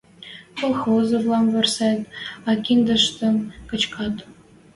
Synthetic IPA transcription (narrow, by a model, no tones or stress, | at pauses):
kolˠxozə̆vlˠɑmvĕrsɑt̪ɑkʲind̪ə̆ʃt̪ə̆nkɤ̆t͡ɕkʰɑt̪